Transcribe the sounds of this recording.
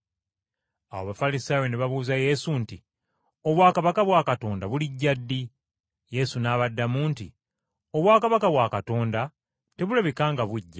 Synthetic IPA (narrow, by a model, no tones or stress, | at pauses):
a̰wo̰βafalisaːjo̞neβaβuːzaje̞ːsunti | o̞βwaːkaβakaβwaːkato̞ːndaβuliɟːadːi | je̞sunaːβadːamuːntḭ | o̞βwaːkaβakaβwaːkato̞ːnda | te̞βulaβekaːŋɡaβuɟːa